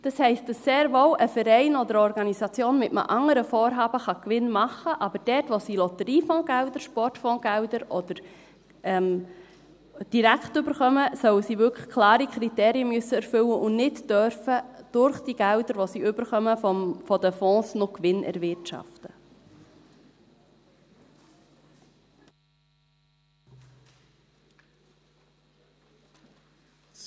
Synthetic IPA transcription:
d̥ɑshɛɪst̚d̥ɑsːeːɾʋowʔəfəɾɛɪnɔdəɾɔɾɡɑnisɑt͡sjoːnmɪtmə̰ʔɑŋːəɾəfɔːɾɦɑːbəχɑkʋɪnmɑχːəʔɑbəɾd̥ɛtʋosilɔt̪əɾiːfɔ̃ːɡ̥æwdəɾʃpɔrtfɔ̃ːɡ̥æʊdəɾʔɔd̥̪əɾ | ɛm | d̥iɾæktʏbəɾχœməsœwəsiʋʏkə̥χkʰlɑːɾikʰɾiteːɾiəmøsːəɛɾfʏwəʔʊnnɪtd̥œɾfəd̥ʊɾχd̥iɡ̥ælwdəɾʋɔsiʏbəɾχœməfɔdəfɔ̃ːsnokʋɪnʔɛ̰ɾʋɪrtʃɑ̰ftə

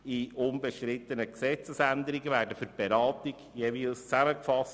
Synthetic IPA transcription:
iʔʊnbəʃtɾɪt̪ːənəksɛt͡səsænd̪əɾɪɡəvæːɾdəfʏb̥eɾɑːt̪iɡ̥jeːviːlst͡sæməkfɑs

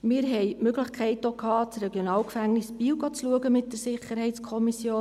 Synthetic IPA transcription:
mɪːɾɦɛjmøɡləχkχɛɪtokʰhɑːt͡srɛɡjonɑːlkfæŋnɪsbiːwɡɑt͡sluəɡəmɪt̚d̥əɾsɪχəɾɦɛɪtskʰɔmisjoː

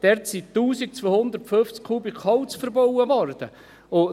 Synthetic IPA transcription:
d̥ɛɾtsit̪ːuːsik̚t͡sʋoːhʊnd̪əɾtføft͡skʰuːbikʰɔwt͡sfəɾbɔwəvɔrd̥ə | ʊ

